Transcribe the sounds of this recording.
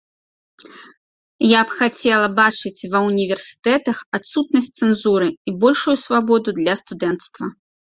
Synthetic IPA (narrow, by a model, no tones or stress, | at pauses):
japxat͡sʲɛlˠɐbat͡ʂɨt͡sʲvɐunʲivʲɛrsʲɨ̥t̪ɛt̪ɐxat̪sut̪nɐsʲtʲt̪sɛnzuɾɨibɔlʲʂujusvabɔd̪ud̪lʲɐst̪ud̪ɛnt̪st̪vɐ